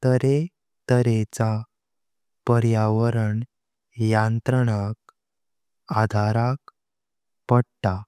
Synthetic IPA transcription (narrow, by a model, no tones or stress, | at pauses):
t̪əɾe | t̪əɾet͡sa | pəɾjaʋəɾəɳ | jant̪ɾəɽak | ad̪ʱaɾak | pəɽt̪a